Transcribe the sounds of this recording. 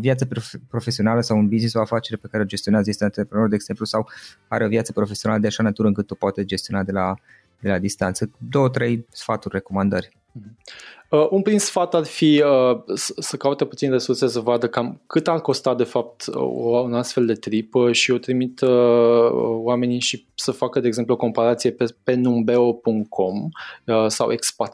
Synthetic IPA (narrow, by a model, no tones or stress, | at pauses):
ovjat̪səppɾo̞fe̞sio̞naləsawunbiznisaafat͡ʃe̞ɾepe̞kaɾeod͡ʒe̞st̪ioneazd̪ist̪ant̪eepɾenoɾd̪eːɡz̥e̞mplusaw | aɾeo̞vjat̪səpɾo̞fesioaləd̪eaʃanat̪uɾəɨŋkɨt̪ːupoat̪ed͡ʒe̞st̪io̞nad̪e̞la | d̪e̞lad̪ist̪ant̪səd̪o̞ət̪ɾe̞jsfat̪urʲre̞ko̞mand̪ər̩ʲ | əʔunpɾinsfat̪arfiəsəsəkaut̪e̞put̪sinre̞surses̬əvad̪əkamkɨt̪arko̞st̪ad̪e̞fap̚t̪ounast̪fe̞ld̪e̞t̪ɾipəʃio̞t̪ɾimit̪əə̰wame̞niʃisəfakəd̪e̞eːɡze̞mpluo̞ko̞mpaɾat̪sije̞pepe̞numbe̞o̞puŋ̚kʰo̞məsa̰wʔekspat̪